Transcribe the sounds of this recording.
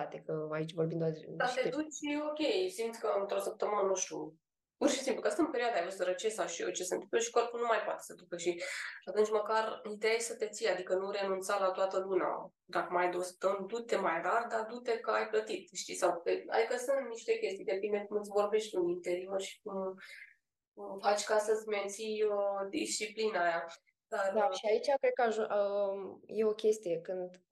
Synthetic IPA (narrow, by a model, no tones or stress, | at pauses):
at̪ekəait͡ʃʲvo̞rbind̪oat̪d̪at̪ed̪ut͡ʃio̞kʲe̞jsimt̪sʲkəɨnt̪ɾosəp̚t̪əmɨnənuʃt̪ʲṵ | purʃi̥simplukəast̪əɨmpe̞ɾioad̪ajfosəɾət͡ʃesawʃio̰t͡ʃesənt̪ɨ̥mpləʃi̥ko̞rpulnumajpoat̪esəd̪ukəʃiat̪unt͡ʃməkarit̪eajsət̪e̞t̪siad̪ikənuɾe̞nunt̪salat̪oat̪əluna̰ | d̪akəmajd̪ost̪əmd̪ut̪e̞majrard̪ad̪ut̪e̞kəajplət̪it̪ʃt̪isawkea̰d̪ikəsunt̪niʃt̪e̞kʲe̞st̪ijd̪e̞pind̪ekumɨnsvo̞rbe̞ʃt̪ʲt̪uint̪e̞ɾio̞rʃi̥k̚um | fat͡ʃʲkasəzʲme̞nt̪sijod̪ist͡ʃiplinəaja | d̪ard̪ʃiait͡ʃakɾed̪̚kəaʒu | jeo̞kʲe̞st̪ije̞kɨnd̪